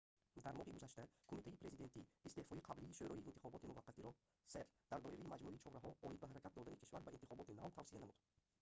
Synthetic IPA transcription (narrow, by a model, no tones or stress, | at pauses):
d̪aɾmɔhiɡuzaʃt̪akʰomit̪ʰaipɾe̞zid̪e̞nt̪ʰiːst̪e̞hfɔiqʰabliːʃøɾɔiʔiːnt̪ʰiχɔbɔt̪imuvaqːat̪iɾɔ | seɾd̪̥aɾd̪ɔʔiɾaimad͡ʒmuʔit͡ʃʰɔhɾaɦɔɔid̪baɦaɾakʰʲat̪̚d̪ɔd̪anikʰi̥ʃvaɾbaʔint̪iχɔbɔt̪ina̰vt̪ʰavsijanamud̪